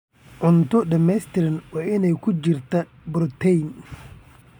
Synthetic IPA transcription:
ʕʊnt̪ʰʊɖɐmɛjst̪ʰɪɾɐnwɑːʔɪnɛjkʰʊt͡ʃɪrt̪ʰɐ | bʊɾt̪ʰɛjn

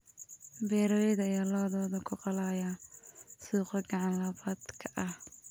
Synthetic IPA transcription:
bɛːɾɔɛðɐɪjɐlɔːðɔːðɐkʰʊqɑlaːja | suːqɔɡɑʕɑnlɐβaːd̪kʰɐʔɐh

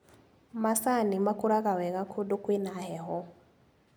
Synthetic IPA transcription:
masanimakuɾaɣawɛɣakʰudukwinahɛɦɔ

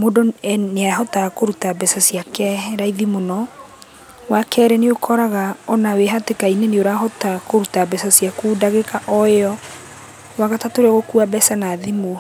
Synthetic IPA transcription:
modoneaaɦɔtakoɾutabɛsasiakɛɾaiðimonɔ | wakʰɛɾɛneokʰɔɾaɣaɔnaweɦatekaineneoɾaɦɔtakoɾutabɛsasiakuːdaɣekaʔɔeɔ | waɣatatoɾeɔɣokuabɛsanaðimo

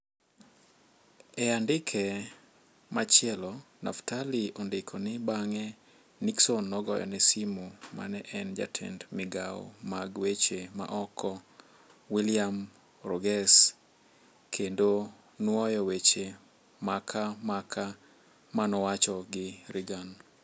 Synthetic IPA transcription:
ɛandɪkʰɛ | mat͡ʃɪɛlɔ | na̰ftaliɔndɪkʰɔnɪbaŋɛ | niksonːɔɡɔjɔ̰nɛsimoma̰nɛʔɛnd͡ʒa̰tʰɛ̰ndmɪɡaɔ̰maɡwet͡ʃema̰ʔɔkʰɔ | wiliam | rɔɡɛs | kʰendo | nwɔjɔwet͡ʃe | makʰamakʰa | manɔwat͡ʃɔɡɪɾiɡan

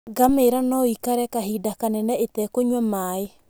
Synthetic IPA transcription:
ɡameɾanɔikaɾɛkaɦidakanɛnɛetɛkoɲwamaːe

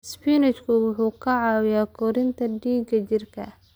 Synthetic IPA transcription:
spinɛt͡ʃkʰʊwʊħuːkʰɐʕɑːwjaːkʰɔɾɪnt̪ʰɐɖiːɡɐt͡ʃɪrkʰɐ̰

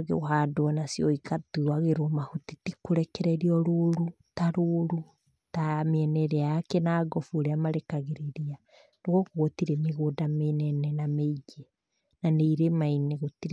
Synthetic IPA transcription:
ɣḛoɦadoɔnasiɔikatuɾwaɣeɾɔmahutitikoɾɛkɛɾɛɾiɔɾuɾu | taɾuɾu | tameɛnɛɾeaakɛnaɡɔfuoɾeamaɾekaɣeɾeɾia | noɣɔkoɣotiɾemeɣodamenɛnɛnameiɡɛ | naneiɾemaineɣotiɾ

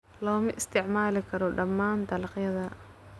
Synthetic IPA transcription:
lɔːmɪʔɪst̪ʰɪʕmaːlɪkʰɐɾɔɖɐmːaːnd̪ɐlɑqjɐðɐ

